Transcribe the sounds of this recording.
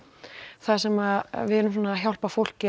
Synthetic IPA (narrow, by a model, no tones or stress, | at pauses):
θasɛmaðvɪɛlʏmsɔnaːçjawl̥pafowl̥cɪ